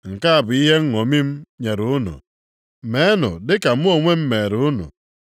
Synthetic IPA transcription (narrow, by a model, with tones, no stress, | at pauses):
ŋ̩˨ka˦a˨bʊ˨i˦ɦe˦ŋ̩˦ŋo˨mi˦m̩˦ɲe˨ɾu˨ʊ˦nʊ̰˨ | me˨˦nʊ̰˨dɪ˦ka˨m̩˦o˨ŋʷe˦m̩˦me˨ɾu˦nʊ̰˨